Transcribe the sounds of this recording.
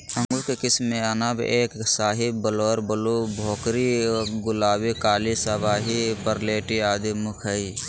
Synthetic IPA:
ə̃ŋɡukekɪsmeanabeːksaːɦɪbbəloːɾbəlubʱoːkɾiɡʊlaːbikaːlisəbaːɦipəɾleːʈiaːd̪imʊkʰəi

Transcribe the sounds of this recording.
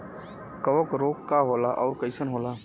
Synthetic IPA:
kəʋəkɾoːkkːaɦoːlaʔɔːɾkəɪsənɦoːlaː

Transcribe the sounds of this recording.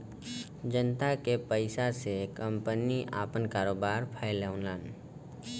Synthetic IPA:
d͡ʒənt̪akepəɪsasekə̃mpəniʔa̰ːpənkaːɾoːbaːɾpʰəɪlɛʊnlən

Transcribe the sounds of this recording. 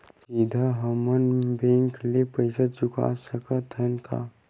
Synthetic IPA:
siːd̪ʱaɦəmənbẽŋklepəɪsad͡ʒʊka̰səkət̪ʰənka̰

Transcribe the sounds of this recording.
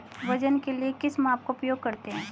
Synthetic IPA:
ʋɐd͡ʒənkeliekɪsmãːp̚koʊpjoːɡ̚kɐɾt̪eɦɛ̃ː

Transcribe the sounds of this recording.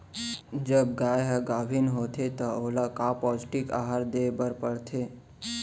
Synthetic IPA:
d͡ʒəb̚ɡaːjɦɡaːʋʱɪnɦoːt̪ʰet̪ɔoːlakaːpɔːd͡ʒʈɪka̰ːɦaɾd̪eːbəɾpəɽt̪ʰeː

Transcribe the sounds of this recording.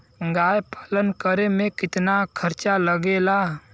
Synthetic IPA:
ɡaːjpaːlənkəɾemẽkɪt̪nakʰəɾt͡ʃaləɡela

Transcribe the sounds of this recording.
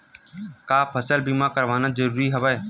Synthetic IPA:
kaːpʰəsəlbiːmãːkəɾʋaːnãːd͡ʒəɾuːɾiːɦəʋaeː

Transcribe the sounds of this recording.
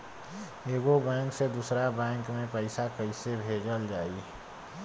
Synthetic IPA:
eːɡobɛ̃ːŋksed̪usɾabɛ̃ːŋkmẽpəɪsakəɪsebʱeːd͡ʒəld͡ʒaːi

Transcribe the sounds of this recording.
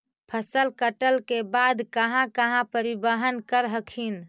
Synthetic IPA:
pʰəsəlkəʈəlkebad̪kəɦãkəɦãpəɾibəɦənkəɾɦəkʰin

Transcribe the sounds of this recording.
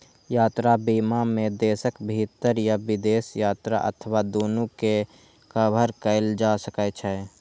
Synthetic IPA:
jaːt̪ɾabiːmamẽd̪eːsəkbʱit̪əɾjabɪd̪eːsjaːt̪ɾa̰ʔə̰t̪ʰəwad̪oːnuke | kəbʱəɾkəɪld͡ʒasəkət͡ʃʰɛ

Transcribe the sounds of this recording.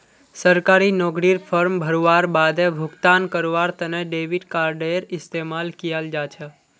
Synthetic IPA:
səɾkaɾinɔɡɾiɾfʰəɾmbʱəɾoʋaɾbad̪ebʱʊɡt̪ankəɾʋaɾt̪əneɖeʋiɖkaɾɖeɾɪst̪emalkijald͡ʒat͡ʃʰe

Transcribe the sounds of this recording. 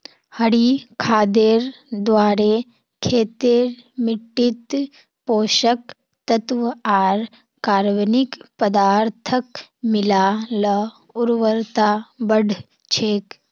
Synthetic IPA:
hɐɽikʰaːd̪eɾ | d̪ʋaːɾe | kʰeːt̪eɾmɪʈːit̪ | poːʃək | t̪ɐt̪ʋaːɾ | kaːɾʋənikpəd̪aːɾt̪ʰəkmɪlaːlə | uɾʋəɾt̪abɐɖʱ | t͡ʃʰeːk

